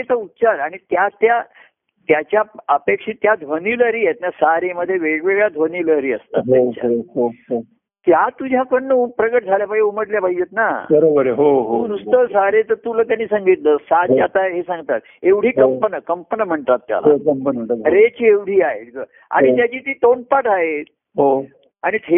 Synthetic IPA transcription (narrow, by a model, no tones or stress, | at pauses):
et͡saut̪ːt͡ɕaɾaɽ̃it̪jat̪ja | t̪jat͡ɕjaəpekʂiːt̪jad̪ʱʋəniləɾiːjet̪̚njasaɾeməd̪ʱːjeʋeɽʋeɡɭad̪ʱʋəniləɾiːəst̪a̰tɦat͡ɕa̰ɦoo | t̪jat̪ud͡ʑʱakəɳːəpɾəɡəʈd͡zʱaljapaɡeuməʈljabʱaijet̪nabəɾobəɾɦoɦounust̪əsaɾet̪əɾt̪ulət̪janːiːsə̃ŋɡit̪ləːsaat̪aɦesãŋɡt̪at̪̚ | eʋɽ̤iːkəmpənəkəmpənəm̤əɳʈ̪at̪ːja̰lao̰kəməɾet͡ɕieʋɽ̤ʱiːaɦḛt̪ɡə | a̰ɽ̃it̪jat͡ɕiːt̪iːt̪onpaʈʰaɦe | ɦo | aɽ̃it̪ʰe